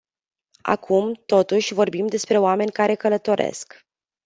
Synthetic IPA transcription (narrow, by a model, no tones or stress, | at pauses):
a̰kʰumt̪o̞t̪uʃʲvo̞rbimd̪e̞spɾe̞oame̞nʲkaɾe̞kələt̪o̞ɾʔe̞̰sk